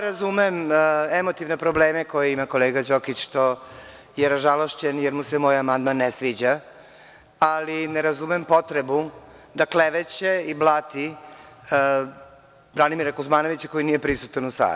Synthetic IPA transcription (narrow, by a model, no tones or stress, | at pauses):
ɾazumememot̪iʋnepɾo̞bleːme̞ko̞jeimako̞leːɡad͡ʒokit͡ɕʃt̪o̞ | jeɾaʒaloʃt͡ɕenjeɾmusemo̞jamand̪manːesʋiːd͡ʑa | alineɾazumempo̞t̪ɾebu | d̪akleʋet͡ɕeiblˠat̪i | bɾanimiɾakuzmaːno̞ʋit͡ɕḁko̞jinijepɾisut̪anusa̰ːd̪